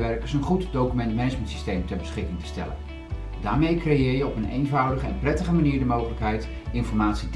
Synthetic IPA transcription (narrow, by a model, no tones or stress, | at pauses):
ʋɛɹkəɹsənχutdowkymɛntmɛnəd͡ʒməntsi̥stejmtɛɹbəsχɪkɪŋtə̥stɛlə̰n | daːɹmejkrejɪːɹjəɔpənḛjnvʌwdəχəɛ̰nprɛtəχəmaniːɹdəmowχələkɦɛjt | ɪnfɔɹmaːtsit